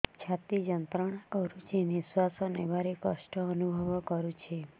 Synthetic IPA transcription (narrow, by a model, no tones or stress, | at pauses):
t͡ʃʰat̪id͡ʒənt̪ɾəɳəɾut͡ʃinisʋasonebaɾekə̰ʃʈəənubʱɔʋɔkəɾũt͡ʃʰe